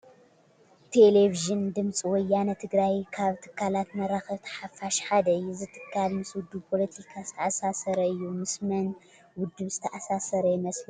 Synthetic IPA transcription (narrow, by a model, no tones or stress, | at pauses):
t̪ʰeleviʒɨnd̪ɨmt͡sʼiwɔjːanɐt̪ʰɨɡɾajkʰaβt̪ʰɨ̥kːalat̪mɐɾaxɐβt̪ʰɐ̥ħafaʃħad̪ɐɨjːuzɨt̪ʰɨ̥kʰːalmɨswʊd̪ːupʰo̞lɐt̪ʰikʰazɨt̪ʰɐʔasasɐɾɐɨjːumɨsmɐn | wʊd̪ːɨβzɨt̪ʰɐʔasasɐɾɐjɪmɐsmɨ